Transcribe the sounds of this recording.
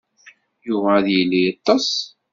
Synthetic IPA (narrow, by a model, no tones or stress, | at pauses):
jʊvæðjilːijɑt̪ˤːɑs